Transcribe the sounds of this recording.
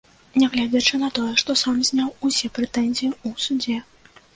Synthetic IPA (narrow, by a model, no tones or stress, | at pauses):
nʲaɣlʲad͡zʲɐt͡ʂɨnɐt̪ɔjɛʂt̪ɔsamzʲnʲawusʲɛpɾɛt̪ɛnʲzʲijiusud͡zʲɛ